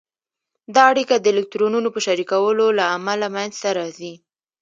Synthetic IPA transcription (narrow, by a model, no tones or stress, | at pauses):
d̪ɑaɽikad̪əelɪk̚tɾonunopəʃaɾikawəlolaːmalamajnzt̪aɾɑzi